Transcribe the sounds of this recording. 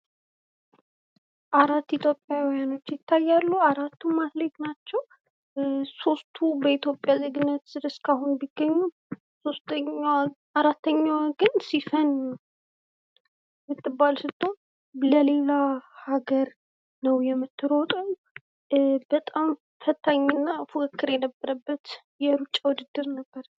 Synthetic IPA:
ʔaɾat̪ːit̪ʰjo̞pʼːjawijano̞t͡ʃːjɪt̪ʰːajːalːuaɾat̪ʰːumaslet̪nat͡ʃːɛw | so̞st̪ʰubəit̪ʰjo̞pʼjazəɡɨnːət̪sɨd̪ɨskahunbiɡːəɲːu | so̞st̪ | aɾat̪ːəɲːawɡɨnsifən | mɨt̪ʰʼːɨbːalsɨt̪ʰːo̞ | ləle̞lahaɡəɾ | nəwjɛmːɨt̪ʰːɨɾot̪ʼən | bət̪ʼam | fət̪ʰːaɲːɨnːafukʰəkːɨɾjɛnəbːəɾəbːət̪ | jɛɾut͡ʃʼːawʊd̪ɨd̪ːɨɾnəbːəɾ

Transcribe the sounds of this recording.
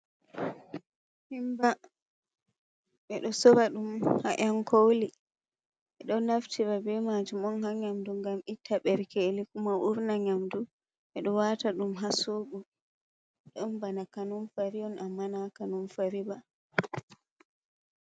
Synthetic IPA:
himba | ɓɛɗɔsɔbaɗumha̰ʔankʰoli | ɓɛɗɔnaftʰiɾabɛmad͡ʒumɔnhaɲamduŋɡamitʰːaɓɛɾkelikumaʔuɾnaɲamdu | ɓɛɗɔwataɗumɦasoːɡu | ɗɔnbanakanunfaɾijɔnamːanakanunfaɾiba

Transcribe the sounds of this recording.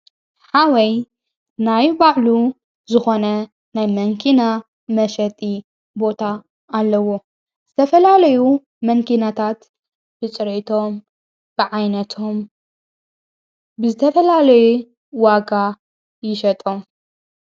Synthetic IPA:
ħawɐj | najbaʕlu | zɨxo̞nɐ | najmɐŋkʰina | mɐʃɐt̪ʼi | bo̞t̪ʰaː | lːɐwo̞ | z̥ɨt̪ʰɐfɐlalɐju | mɐŋkʰinat̪ʰat̪ | b̥ɨt͡sʼɨɾet̪ʰo̞m | b̥ɨʕajnɐt̪ʰom | bɨzɨt̪ʰɐfɐlalɐju | waɡa | jɪʃɐt̪ʼom

